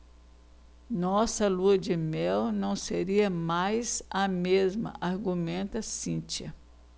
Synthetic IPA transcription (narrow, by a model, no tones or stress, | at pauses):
nɔsɐluɐd͡ʒɪmɛwnɐ̃w̃seɾiɐmajzɐmezmɐ̰ʔaɾɡumẽnt̪ɐsĩt͡ʃiɐ